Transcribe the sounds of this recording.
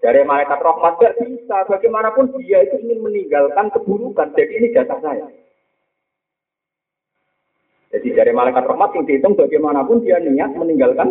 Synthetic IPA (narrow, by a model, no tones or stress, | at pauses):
d͡ʒ̥a̤ɾemalajkat̪rɔhmat̪̚b̥ɛrb̥isab̥a̤ɡemanapʊnd̥ijait̪uiŋɪnməniŋɡalkankəb̥uɾukand̥adiini̥ʒ̥asahsaja | dd͡ʒ̥a̤d̥id͡ʒ̥aɾamalajkat̪rɔhmat̪ɪŋd̪it̪ʊŋb̥aɡemanapʊndijaniɲat̪̚məniŋɡalkan